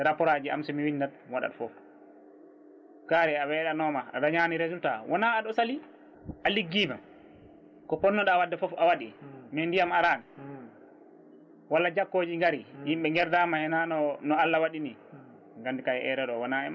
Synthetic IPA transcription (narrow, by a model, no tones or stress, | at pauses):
ɾapɔɾad͡ʒia̰msumiwindadwaɗa̰tfɔf | kaɾɛawɛɗanɔmaa̰ɗaɲaːniɾezultawʔɔnaːɗɔsali | ʔaliɡːiːmam | kɔpɔnːɔɗawadːɛfɔfawaɗimɛndijamaɾaːnɛ | walːad͡ʒakːoːd͡ʒiŋɡaɾihimɓɛŋɡɛɾdamahɛnanɔnɔalːawaɗini | ŋɡandikajɛʔɛɾɛɗɔwɔnaɛ̰m